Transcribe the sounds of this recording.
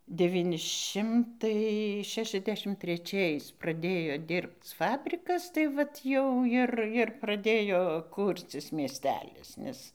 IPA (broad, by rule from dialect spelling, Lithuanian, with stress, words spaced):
dʲɛˈʋʲiːnʲɪ ˈʃʲɪmtɐɪ ˈʃʲæːʃʲɛzʲˌdʲæːʃʲɪm tʲrʲɛˈt͡ʃʲɛɪs prɐˈdʲeːjoː ˈdʲɪrpt͡s ˈfɑːbʲrʲɪkɐs tɐɪ ˈʋɐt jɛʊ ˈjɪr ˈjɪr prɐˈdʲeːjoː ˈkuːrʲt͡sʲɪs mʲiɛsʲˈtʲæːlʲɪs nʲɛs